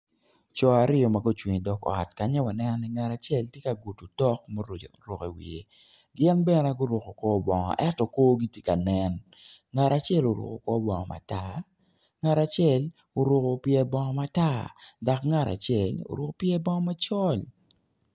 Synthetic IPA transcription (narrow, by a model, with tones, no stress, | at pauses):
t͡ʃɔ˨a˨ɾɪɔ˨ma˨ɡo˦t͡ʃwi˨ɲ˨dɔ˨kɔ̰˨tka˨ɲɛ˦wa˨nɛ˦nɔni˦ŋa˨ɾa˨t͡ʃɛ˦ltje˦ka˨ɡu˨tu˨tɔ˦kmo˦ɾɾo˨ke˨wḭ˨e˨ | ɡɪ˦nbɛ˦nɛ˨ɡo˦ɾʊ˨ko˨kɔ˦bɔ˨ŋɔ̰˨ʔɛ˦tɔ˨koː˦ɡi˦tje˦ka˨nɛ˨n | ŋa˨ɾa˨t͡ʃɪ˦ɛ˦lo˨ɾʊ̰˨ko˨kɔ˦bɔ˨ŋɔ̰˨mʔa̰˨ta˦˨ | ŋa˨ɾa˨t͡ʃɛ˦˨l | o˨ɾʊ˨ko˨pjɛ˦bɔ˦ŋɔ˦ma˦ta˦da˨kŋa˨ɾa̰˨t͡ʃɛ˨lo̰˨ɾʊ˨ko˦pjɛ˦bɔ˦ŋɔ˦ma˦t͡ʃɔ˦l